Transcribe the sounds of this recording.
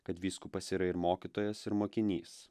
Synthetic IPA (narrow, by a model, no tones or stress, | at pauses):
kɐt̪ʋʲiːskuːpɐsʲiːɾɐɪɾmoːkʲit̪oːjɛsɪɾmoːkʲɪnʲiːs